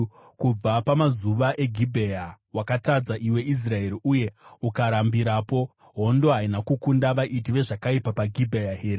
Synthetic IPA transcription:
kub͡vapamazuʋaʔe̞ɡʱibʱe̞ja | wakatad͡zaʔiwe̞is̬rae̞ɾiʔuje̞ukaɾambiɾaːpo̞ | ɦo̞ndo̞ɦainakukundaʋaʔitiʋe̞ʐakaipapaɡʱibʱejaɦe̞ːɾe

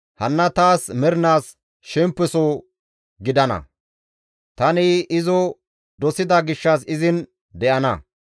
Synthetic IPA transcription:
hɐnːɐt̪aːsmɛɾnaːs | ʃɛmpːɛsɔ | ɡɪd̪ɐnɐ̰ | t̪ɐnɪɪzɔ | d̪ɔsɪd̪ɐɡɪʃːɐsɪzɪn | d̪ɛʔɐnɐ̰

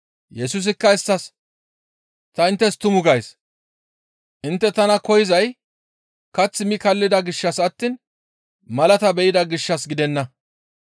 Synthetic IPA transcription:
jɛsus̬ɪkːɐɪstːɐs | t̪ɐɪnt̪ːɛst̪ʊmʊɡɐjs | ʔɪnt̪ːɛt̪ɐnɐkɔjɪzɐj | kɐt͡sːɪmɪkɐlːɪd̪ɐɡɪʃːɐsɐt̪ːiːn | mɐlɐt̪ɐbɛʔɪd̪ɐɡɪʃːɐsɡɪd̪ɛnːɐ

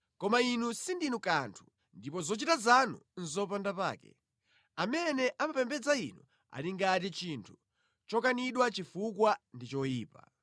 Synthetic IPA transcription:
kɔmainusindinukantʰu̥ | ndipɔzɔt͡ʃitazanṵn̩zɔp̬andapa̰ːkɛ̰ | amɛnɛʔamapɛmbɛd͡zaḭnu | a̰liŋɡatit͡ʃintʰu̥ | t͡ʃɔkaniɗwat͡ʃifukwandit͡ʃɔjiːpa̰

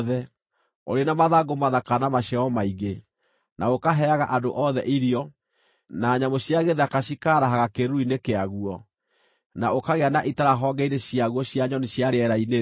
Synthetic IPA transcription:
ðɛ | o̰ɾenamaðaɡomaðakanamaɕaɔmaiɣe | nʔaokaɦɛaɣaʔadoʔɔðɛ̰ʔiɾiɔ | naːɲamoɕjaɣeðakaɕikaɾaɦaɣakeɾuinekeaɣuɔ | naokaɣeanaʔitaɾaɦɔŋɡɛineɕijaɣwɔɕjaɲɔneɕjaɾeɛɾaine

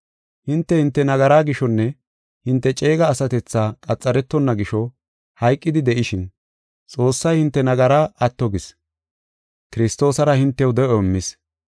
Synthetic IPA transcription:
hɪnt̪ːɛhɪnt̪ːɛnɐɡɐɾaːɡɪʃɔnːɛ | hɪnt̪ːɛt͡ʃʼe̞ːɡɐːsɐt̪ɛt͡sːaːkʼɐt͡sʼːɐɾɛt̪ːɔnːɐɡɪʃɔ | hɐjkʼːɪd̪ɪd̪ɛʔɪʃɪn | t͡sʼo̞ːsːɐjhɪnt̪ːɛnɐɡɐɾaːʔɐt̪ːɔɡɪs | kɪɾɪst̪o̞ːsɐɾɐhɪnt̪ːɛwd̪ɛʔɔmːɪs

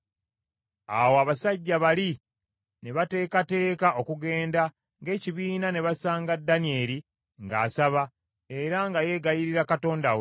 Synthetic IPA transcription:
a̰woaβasaɟːaβali | ne̞βate̞ːkate̞ːkaʔo̞kuɡe̞ːnda | ŋɡe̞ːciβiːnane̞βasaːŋɡadːanie̞ɾi | ŋɡa̰ːsaβa | e̞ɾaŋɡaje̞ɡajiɾiɾakato̞ːndawe

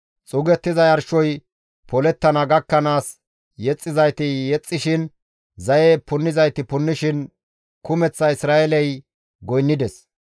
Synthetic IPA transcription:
t͡sʼʊɡɛt̪ːɪzɐjɐɾʃɔj | pɔlɛt̪ːɐnɐɡɐkːɐnaːs | jɛt͡sʼːɪzɐjt̪ɪjɛt͡sʼːɪʃɪn | zɐjepʊnːɪzɐjt̪ɪpʊnːɪʃɪn | kʊmɛt͡sːɐɪsɾaːʔɛlɛj | ɡɔjnːɪd̪ɛs

